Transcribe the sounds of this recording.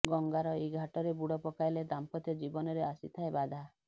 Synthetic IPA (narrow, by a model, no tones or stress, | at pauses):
ɡɔŋɡaɾɔeɡʱaʈɔɾebuɽɔpɔkajled̪ampɔt̪jɔd͡ʒibɔnɔɾeasḭt̪ʰaebad̪ʱa